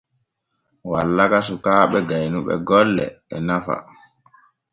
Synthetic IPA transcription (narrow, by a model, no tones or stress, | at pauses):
walːakasukaːɓɛɡajnuɓɛ̰ɡɔlːɛ̰ːnafa̰